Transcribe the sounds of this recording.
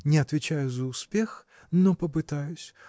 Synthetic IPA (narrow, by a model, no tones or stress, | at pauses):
nʲɪɐt̪vʲɪt͡ɕajʊzəʊspʲe̞x | nopəpɨt̪ajʊsʲ